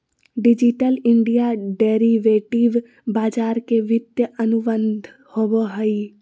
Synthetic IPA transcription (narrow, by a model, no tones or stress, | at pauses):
ɖɪd͡ʒɪʈəlɪ̃ɳɖijaɖeːɾiʋeːʈiʋ | baːd͡ʒaːɾkeʋɪt̪jəənʊbənd̪ʱ | hoboɦəi